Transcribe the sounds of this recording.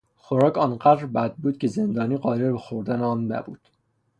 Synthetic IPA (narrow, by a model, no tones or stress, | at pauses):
xoɾɒːcʰɒːnɢæd̪ɾbæd̪̚buːd̪̚cʰʲe̞ze̞nd̪ɒːniːɢɒːɾeɾbexoɾd̪æneɒːnːæ̰bṵːd̪̥